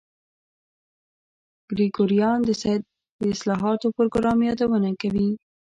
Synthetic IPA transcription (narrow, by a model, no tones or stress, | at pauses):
ɡ̥ɾiɡoɾijɑnd̪əsad̪̚ | d̪əɪslɑɦɑt̪opoɾɡʊɾɑmjɑd̪awənakawi